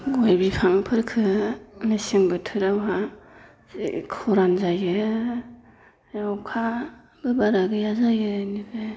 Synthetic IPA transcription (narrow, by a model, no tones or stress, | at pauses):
ɡojbipʰaŋpʰɯɾkʰɯnɯsiŋbɯtʰɯɾawɦa | zḭkʰɔɾanzajɯ | jawkʰa | bɯbaɾaɡɯjazajɯnibɯ